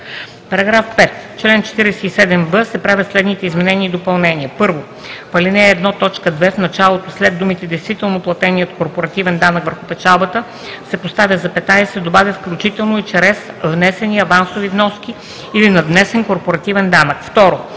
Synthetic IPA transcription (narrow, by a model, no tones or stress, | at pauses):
pɐɾɐɡɾafpɛt̪t͡ʃlɛnt͡ʃɛ̥t̪iɾɛsɛisɛd̪ɛmvəsɛpɾavʲət̪slɛd̪nit̪ɛizmɛnɛniːd̪opɐlˠnɛniəpɤɾvo | pɐlinɛːd̪nɔt̪ɔt͡ʃkəd̪vɛfnɐt͡ʃalˠot̪oslɛd̪ːumit̪ɛd̪ɛjst̪vit̪ɛlˠnoplˠɐt̪ɛniət̪koɾpoɾɐt̪ivɛnd̪anəkvəɾxʊpɛt͡ʃalˠbət̪ə | sɛpost̪avʲjəzɐpɛt̪najsɛd̪obavʲəfklʲut͡ʃit̪ɛlˠnoit͡ʃɾɛsvnɛsɛniəvansovivnɔskʲi | ilinɐd̪nɛsɛnkoɾpoɾɐt̪ivɛnd̪anəkft̪ɔɾo